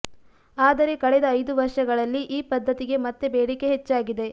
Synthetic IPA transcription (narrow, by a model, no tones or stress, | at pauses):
aːd̪ɐɾe̞kɐɭɛd̪ɐːjd̪uʋɐɾʂɐɡɐɭɐlːiʔiːpɐd̪ʱːɐt̪iɡe̞mɐt̪ːe̞beːɽike̞ɦet͡ʃːaːɡid̪e̞